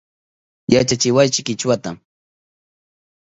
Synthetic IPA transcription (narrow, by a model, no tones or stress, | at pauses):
jat͡ʃat͡ʃɪwajt͡ʃɪkɪt͡ʃwat̪am